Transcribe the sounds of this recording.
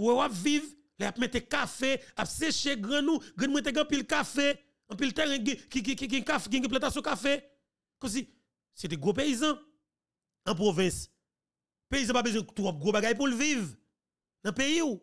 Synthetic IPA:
wɛwapviv | lɛapmet̪ekafeapseʃeɡʁɛ̃nũɡɛ̃nmw̃ɛ̃t̪̬eɡ̃ɐ̃pilkafe | ɐ̃pilt̪ɛʁɛ̃ɡɛ̃kikikiɡɛ̃kafɡɛ̃ɡɛ̃plɐ̃t̪asjɔ̃kafe | kɔs̬i | set̪ɛ̃ɡʁop̬eizɐ̃ | ɐ̃p̬ʁovɛ̃s | peizɐ̃pabəzwɛ̃t̪ɔp̚ɡʁobaɡajp̬ulviv | nɐ̃pejiu

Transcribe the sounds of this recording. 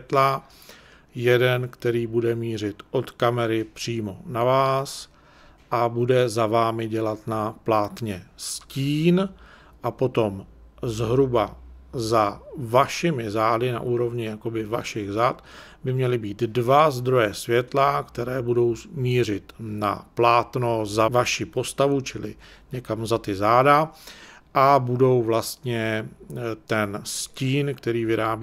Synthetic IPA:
t̪la | jɛdɛnkt̪ɛɾiːbudɛmiːr̝ɪt̪ʔo̞t̪kamɛɾɪpr̝̥iːmo̞navaːs | ʔabudɛzavaːmɪɟɛlat̪naplaːt̪ɲɛsciːn | ʔapo̞t̪o̞mzɦɾubazavaʃɪmɪzaːdɪna̰ʔuːɾo̞vɲɪjako̞bɪva̰ʃɪɣzaːt̪ | bɪmɲɛlɪbiːt̪dvazd̪ɾo̞jɛsvjɛt̪lakt̪ɛɾɛːbudo̞wsmiːr̝ɪt̪na̰plaːt̪nozavaʃɪpo̞st̪avut͡ʃɪlɪ̰ɲɛkamzat̪ɪzaːda | ʔabudo̞wvlast̪ɲɛ | t̪ɛnsciːnkt̪ɛɾiːvɪɾaːbi

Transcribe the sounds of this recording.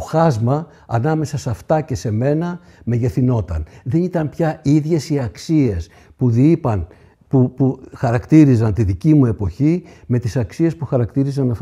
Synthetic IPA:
oxɐzmɐː | nɐme̞sɐsɐft̪ɐce̞se̞me̞nɐ | me̞ʝe̞θino̞t̪ɐnðe̞nit̪ɐmpçɐiðʝe̞siɐksie̞s | puðiipɐn | upuxɐɾɐkt̪iɾizɐnt̪iðicimue̞po̞çime̞t̪isɐksie̞spuxɐɾɐkt̪iɾizɐnɐf

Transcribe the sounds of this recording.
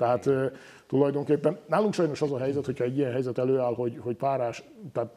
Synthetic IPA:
t̪ɛɦaːt̪ː | t̪ulɒjd̪o̞ŋkeːpːɛnnaːluŋkʃɒjno̞ʃɒzɒɦɛjzɛt̪hocʰhɒɛɟːijɛnɦɛjzɛt̪ɛløːaːlho̞ɟho̞ɟpaːɾaːʃt̪aːt̪

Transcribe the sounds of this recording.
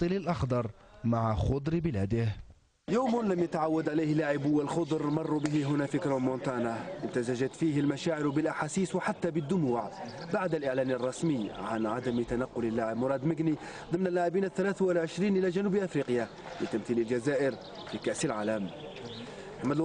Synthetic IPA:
t̪ˤːɨlɪlʔɑxd̪ɑɾˤmaʕaxʊd̪ˤɾbɪlæːd̪ɪh | joːmlamjat̪aʕawːad̪ʕalajhlːaʕɪbwɪlxʊd̪ˤɾmɑrˤːubɪɦɪɦʊnafikɾˤomont̪ɑːnaʔɪnt̪azaʒat̪fiːhɪlmaʃaːʕɪɾbɪlʔaħaːsiːswħat̪ːabɪd̪ːʊmuːʕbaʕd̪alʔɪʕlæːnɪrˤːɑsməjːʕanʕad̪amt̪anaqːʊlɪlːaʕɪbmʊɾˤɑːd̪mɪɡni | d̪ˤɨmnalːaʕɪbiːnaθːalaːθwɪlʕɪʃɾiːnʔɪlaʒanuːblʔafɾiːqja | lɪt̪amθiːlɪld͡ʒazaːʔɪɾ | fikaʔsɪlʕaːlam | md̪

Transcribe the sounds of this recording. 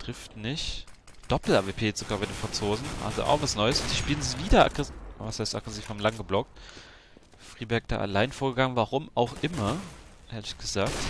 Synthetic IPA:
tʁ̥ɪftnɪç | d̥ɔpl̩ʔaːvepʰeːz̥oɡaːbaɪdeːnfʁ̥ant͡soːzn̩ʔa̰lzo̰ʔa̰ʊxv̥asnɔʏəsfd̥iːʃpiːlənziːviːdɐa̰ɡʁɛvashaɪstʔa̰ɡ̥ʁɛsiːfhaːm̩laŋɡəblɔk̚t | fʁ̥iːbɛɐk̚d̥a̰ːʔa̰laɪnfoːɐɡəɡaŋənvaʁʊmaʊxʔɪmɐʔeːɐlɪçɡ̥əzaːk̚t

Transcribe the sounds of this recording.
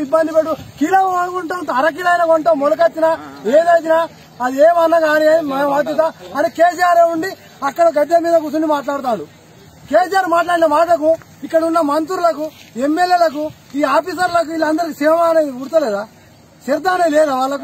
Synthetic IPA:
ibːɐnd̪ipeɽukiːlɐʋɐɐkuɳʈuɐɾɐk̬iːlɐjnɐkoɳʈomolɐk̬ɐt̪ːinaːeːd̪ɐjt̪̬inaː | ɐd̪ieːmɐnːɐɡaːnimɐjɐʋaːd̪jɐt̪ɐɐnikeːs̬ijaːɾeːuɳɖi | ɐkːɐɽɐɡɐd̪jɐmiːd̪ɐkut̪uɳɖimaːʈ̬laːɽut̪aːɽu | keːsijaːɾmaːʈ̬laːɽinɐmaːʈɐk̬u | ikːɐɽɐunːɐmɐnt̪uɾulɐkuemːeljeːlɐku | iːaːpiːs̬ɐɾlɐk̬uilɐnd̪ɐɾikisiʋɐmaːnɐɡuɽut̪ɐleːd̪aː | seɾd̪aːnɐleːnɐʋaːɭːɐku

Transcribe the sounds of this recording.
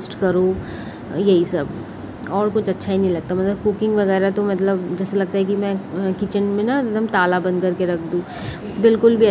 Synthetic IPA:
sʈkɐɾo | jɐɦisɐb | ɔːɾkʊt͡ʃɐtːʃʰaɦinɐ̃ɦĩlɐɡ̚t̪amɐt̪ləb̚kʊkɪ̃ŋɡʋɐɣɛːɾat̪omɐt̪̬ləbd͡ʒɛːselɐɡ̚t̪aɦɛkimɛ̃kɪt͡ʃənmẽnad̪ɐmt̪aːlabɐ̃nd̪̚kɐɾkeɾɐkʰd̪ũː | bɪlkʊlbʱiɐ

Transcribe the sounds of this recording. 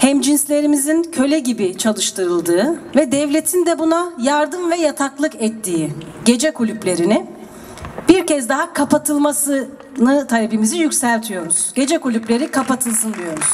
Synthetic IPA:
hɛmd͡ʒinslʲe̞ɾimizincʰø̞lʲɛɟibit͡ʃʰalˠɯʃt̪ʰɯɾɯlˠd̪ɯːvɛd̪ɛvlʲe̞t̪ʰind̪ɛbunajaɾd̪ɯmvɛjat̪ʰaklˠɯkɛt̪ʰːiː | ɟe̞d͡ʒɛkʰulʲyplʲe̞ɾinɪ | b̥iɾcɛzd̪aɦakʰapat̪ʰɯlˠmasɯ | nɯt̪ʰalebimizijycsælʲt̪ʰijo̞ɾuz̥ɟ̥e̞d͡ʒɛkulʲyplʲe̞ɾikʰapat̪ʰɯlˠsɯnd̪ijo̞ɾuz̥

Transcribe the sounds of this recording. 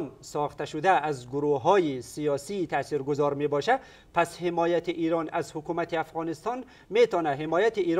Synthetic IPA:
nsɔχt̪aʃud̪æːzɡʊɾuɦɒːjisijɒsiːt̪ʰæsiɾɡʊzɒɾmebɒʃæd̪ | pʰæshemɔːjat̪iʔiɾɒnazhukumæt̪iafʁɔnist̪ɒn | met̪ɒnæɦemɒːjat̪iiːɾ

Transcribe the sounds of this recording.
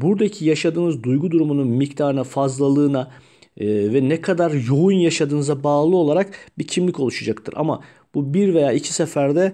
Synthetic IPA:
buɾd̪acʰijaʃad̪ɯːnɯzd̪ujɡud̪uɾumununmict̪ʰaːɾɯnafazlˠalˠɯːna | vɛnɛkʰad̪aɾjo̞unjaʃad̪ɯːnɯzabaːlˠɯo̞lˠaɾakbicʰimlʲico̞lˠuʃad͡ʒakt̪ʰɯɾʔa̰ma̰ | b̥ubiɾvejaːicʰi̥sefæɾd̪ɛ

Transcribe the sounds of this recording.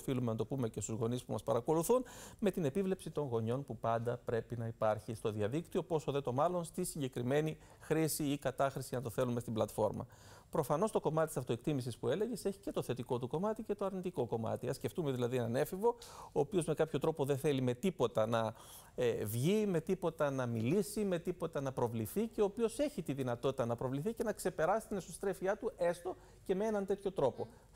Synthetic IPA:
filumenɐt̪opume̞ce̞st̪uzɣo̞nispumɐspɐɾɐko̞luθunme̞t̪ine̞pivle̞psit̪o̞ŋɣo̞ɲo̞npupɐnd̪ɐpɾe̞pinɐipɐɾçist̪oðiɐðikt̪io̞po̞soðe̞t̪o̞mɐlo̞nst̪isiɲɟe̞kɾime̞ni | xɾisiikɐt̪ɐxɾisiʝɐnɐt̪o̞θe̞lume̞st̪iblɐt̪fo̞ɾmɐ̰ | pɾo̞fɐno̞st̪o̞ko̞mɐt̪t̪isɐft̪o̞ekt̪imisispue̞le̞ʝe̞se̞çi̥ce̞t̪o̞θe̞t̪iko̞t̪uko̞mɐt̪ice̞t̪o̞ɐɾnit̪iko̞ko̞mɐ̰t̪iɐsce̞ft̪ume̞ðilɐðienɐne̞fivo̞oːpio̞zme̞kɐpço̞t̪ɾo̞po̞ðenθe̞lime̞t̪ipo̞t̪ɐnɐ | evʝime̞t̪ipo̞t̪ɐnɐmilisime̞t̪ipo̞t̪ɐnɐpɾo̞vliθice̞oːpio̞se̞çit̪iðinɐt̪o̞t̪it̪ɐnɐpɾo̞vliθice̞nɐkse̞pe̞ɾɐsi̥t̪ine̞sost̪ɾe̞fiɐt̪ue̞st̪o̞ | ce̞mee̞nɐnt̪e̞t̪çot̪ɾo̞po̞

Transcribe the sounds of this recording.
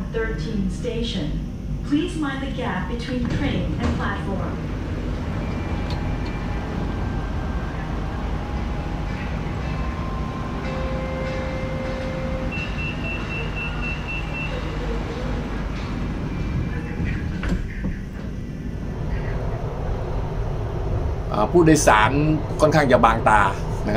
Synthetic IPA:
θɜ˞tʰĩnsteɪʃɨ̃n | pʰl̥izmãɪ̃nðɨɡæp̚b̥ɨtʰw̥ĩntʰɹ̥ẽɪ̃nɨ̃npʰl̥ætfɔɹm | ʔa̰ːpʰuːdajsaːnkʰɔːnkʰaŋt͡ɕabaːŋt̪aː | nakʰ

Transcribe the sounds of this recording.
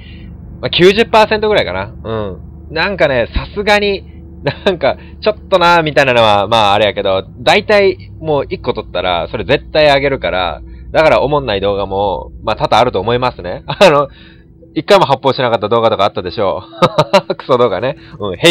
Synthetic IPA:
makʲɨːʑɨpːaːsent̪oɡɯ̟ɾaikanaɯ̟̃ɴ | nãŋkane̞sasɨɡaɲ̟i | naŋka | t͡ɕo̞t̪ːo̞namʲit̪ainanoβamaːɾejake̞d̪o̞d̪ait̪ai | mo̞ːikːo̞t̪o̞t̪ːaɾa̰so̞ɾe̞ze̞t̪ːaiaɡe̞ɾɯ̟kaɾa̰d̪akaɾaʔo̞mõ̞nːaid̪o̞ːɡamo̞maːt̪ad̪aːɾɯ̟t̪o̞ːmo̞imasɨne̞ano̞ | ikːaimo̞ɦapːo̞ːɕinakat̪ːad̪o̞ːɡat̪o̞kaːt̪ːad̪e̞ɕo̞̰ː | kɯ̥sod̪o̞ːɡane̞ɯ̟̃ɴhe

